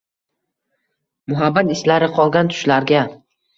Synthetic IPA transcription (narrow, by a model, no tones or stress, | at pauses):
mʊɦabːat̪ɪslaɾɪqʰɒlˠɡʲant̪ʰʊ̥ʃlaɾɡʲa